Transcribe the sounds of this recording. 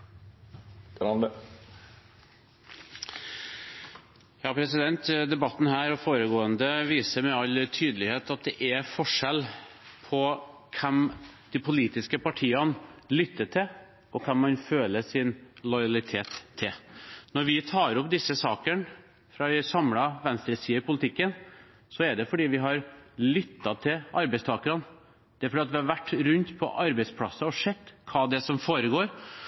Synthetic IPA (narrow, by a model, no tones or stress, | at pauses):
ɑnd̪ə | jɑːpʰɾɛsɪd̪ɛnt̪d̪ɛbɑt̪ːn̩hæːɾɔfoːɾəɡoːənd̪əʋiːsəɾmɛɑlt̪ʰyːd̪əlɪheːt̪ɑt̪̚d̪ɛʔɛfɔʂɛlpʰɔkʰɛmd̪̥ɪpʰʊliːt̪ɪskəpɑʈʰiːɑnlʏt̪ːəʈʰɪ | ɔkʰɑmːɑnføːləsɪnlɔjɑlɪt̪ʰeːt̪ʰːɪlnɔɾʋɪt̪ʰɑːɾɔpːd̪ɪsːəsɑːkən | fɾɑɪsɑmlɑʋɛnst̪ɾəsiːɪpʊlɪt̪ʰɪkːən | sɔɛɖ̪ɛfɔɖiːʋɪɦɑɾlʏt̪ːɑt̪ʰɪlɑɾbɛɪst̪ʰɑːkəɾɑn | d̪ɛæɾfɔɖiːɑt̪ʋɪhɑɾʋæʈːɾʉnt̪pʰɔ̰ʔɑɾbɛɪspʰlɑsːɑɔʂɛt̪ːkʰɑːd̪ɛsɔmfoːɾəɡoːɾ